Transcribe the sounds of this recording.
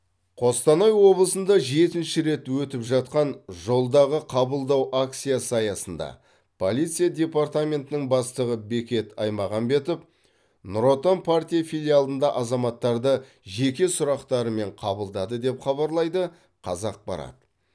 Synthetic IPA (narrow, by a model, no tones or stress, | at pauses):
qʰo̞st̪ɑnɑjwo̞blˠəsənd̪ɑʒe̞t̪ɪnʃɪɾe̞t̪wɵt̪ɪpʒɑt̪̚qɑnʒo̞lˠd̪ɑʁəqʰɑbəlˠd̪ɑwʔak̚t̪sijasɑjɑsənd̪ɑ̰ | pʰo̞lʲˠit̪sɨijad̪ʲe̞part̪amʲe̞nt̪ɪnɪŋbɑst̪əʁəbe̞kʲe̞t̪ɑjmɑʁɑnbe̞t̪ɪp̚ | nʊɾo̞t̪onpʰart̪ʲijafʲilʲijalˠənd̪ɑʔɑzɑmɑt̪ːɑɾd̪ə | ʒe̞kʲe̞sʊɾɑqt̪ɑɾəme̞ɴqʰɑbəlˠd̪ɑd̪əd̪e̞pχɑβɑɾlˠɑjd̪ə | qʰɑ̰zɑq̚bɑ̰ɾɑ̰d̪ə